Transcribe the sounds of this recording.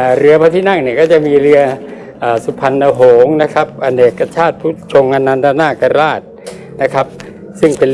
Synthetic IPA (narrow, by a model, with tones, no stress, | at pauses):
ɾɯ˧ɐpa˧t̪ʰiː˥˩na˥˩ŋni˧˩kɔː˥˩t͡ɕa˨˩miː˧ɾɯ˧ɐ | ʔaː˨˩su˧˩pʰa˧nːa˧ɦoː˩˦ŋna˦˥kʰa˦˥p̚ʔa˧neː˨˩kːa˧t͡ɕʰaː˥˩t̪̚pʰuː˦˥˩t͡ɕʰo˧ŋʔa˧na˧nt̪ʰa˧naː˥˩ka˧ɾaː˥˩t̪̚ | na˦˥kʰa˦˥p̚ | sɯ˥˩ŋpe˧n